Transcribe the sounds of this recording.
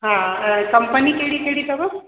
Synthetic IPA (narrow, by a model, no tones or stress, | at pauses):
ɦãkɐmpənikeɽikeɽit̪ɐbɐ